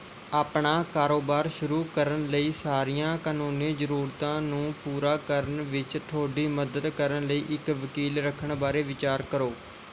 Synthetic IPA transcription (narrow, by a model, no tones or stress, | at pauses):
aːpɳaːkaːɾoːbaːɾʃʊɾuːkəɾənləiːsaːɾiːjãːkaːnuːnẽːzəɾuːɾt̪ãːnũːpuːɾaːkəɾənʋɪt͡ʃt̪ʰoːɽiːməd̪əd̪kəɾənləiːʔɪkʋəkiːlɾəkʰːəɳbaːɾeːʋɪt͡ʃaːɾkəɾoː